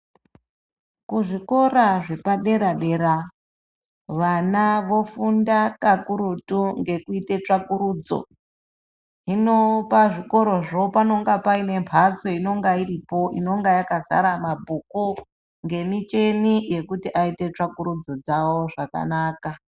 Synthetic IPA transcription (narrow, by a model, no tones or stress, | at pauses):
kuʐiko̞ɾaʐe̞paɗe̞ɾaɗe̞ɾa | ʋanaʋo̞fundakakuɾutuŋɡe̞kuite̞t͡ʂakuɾuːd͡zo̞̰ | ɦino̞paʐiko̞ɾo̞ʐo̞pano̞ŋɡapaine̞mpʰat͡so̞ino̞ŋɡairipo̞ʔino̞ŋɡajakasa̰ɾamabʱuko | ŋɡe̞mit͡ʃe̞nije̞kutiʔaite̞t͡ʂakuɾud͡zo̞d͡zawo̞ʐaka̰naːka